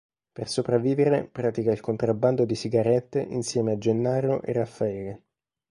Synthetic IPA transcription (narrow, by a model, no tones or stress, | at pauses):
persopɾavːiːveɾepɾaːt̪ikailkont̪ɾabːand̪od̪isiɡaɾɛt̪ːeʔinsjɛːmead͡ʒenːaːɾoʔḛrafːaɛːle